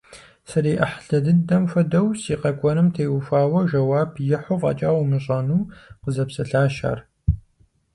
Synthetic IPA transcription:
sɐɾiːʔɐħɬɐdɨdɐmfʷɐdɐwsiːqɐkʷʼɔnɨmtʰeːwʊfaːwɐʒɐwaːbʰjɪħʊqʼɐ̰t͡ʃʼaːwmɨɕʼɐnuːqəzɐpsɐɬaːʃa̰ːr

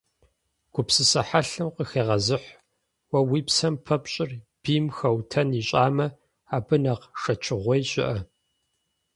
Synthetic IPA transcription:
ɡ̥ʷʊpsɨsɐħaɬɨmqəxeːʁɐzɨħʷ | wɐwiːpsɐmpʰɐpɕʼɪrb̥iːmxɐwtʰɐniːɕʼaːmɐ | aːbɨnɐqʂɐt͡ʃʰɪʁʷɔjɕʼɪ̰ʔɐ

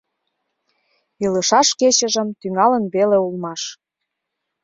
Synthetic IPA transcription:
ilə̆ʃɑʃket͡ɕə̆ʒə̆mt̪yŋɑlənβeleulmɑʃ

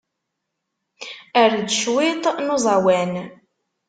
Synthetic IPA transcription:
æɾd̪əʃwɪt̪ˤnozˤɑwæn

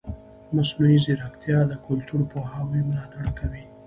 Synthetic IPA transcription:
masnuiziɾakt̪jɑd̪əkʊlt̪uɾpoɦɑwəjmʊlɑt̪aɽkawi

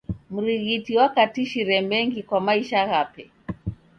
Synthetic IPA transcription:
m̩ɾiɣitiwakatiʃiɾɛmɛŋɡikwamaiʃaɣapɛ

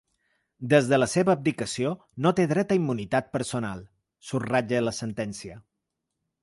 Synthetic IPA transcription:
d̪əzðələseβəːb̚d̪ikəsio | not̪eðɾɛt̪əimːunit̪at̪̚pəɾsona̰lˠ | surrad͡ʒələsənt̪ɛnsiə

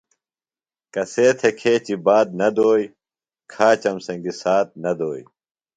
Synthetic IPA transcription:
kɐseːt̪ʰekʰeːt͡ɕibaːd̪̚nɐd̪oːj | kʰaːt͡ɕɐmsɐŋɡisaːt̪̚nɐd̪oːj

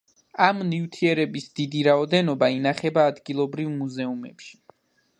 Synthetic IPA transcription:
amnivt̪ʰiɛɾɛbisd̪̥id̪iɾaɔd̪ɛnɔbainaχɛbaːd̪ɡilˠɔbɾivmuzɛumɛ̰pʃi̥

